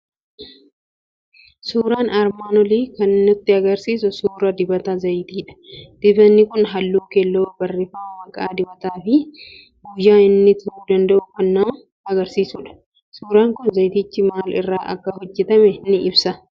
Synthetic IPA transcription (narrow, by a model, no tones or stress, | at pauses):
suːɾaːnɐɾmaːnɔliːkɐnːʊt̪ːɪɐɡɐɾsiːsʊsuːɾɐd̪ɪbɐt̪ɐzɐjt̪iːᶑɐ̥d̪̥ɪbɐnːɪkʊnɦɐlːuːkelːoːbɐrːɪfaːmɐkʼaːd̪ɪbɐt̪aːfɪ | ɡʊjːaːɪnːɪt̪ʊhuːd̪ɐnd̪ɐʔʊkɐnːɐ | ɐɡɐɾsiːsuːᶑɐ̥ | suːɾaːŋkʊnzɐjt̪ɪt͡ʃːɪmaːlɪ̰rːaːʔɐ̰kːɐhɔd͡ʒːɛt̪ɐmɛnɪɪbsɐ